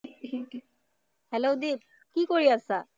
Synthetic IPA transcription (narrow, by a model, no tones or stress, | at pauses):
hɛlodib̚ | kikoɹiasa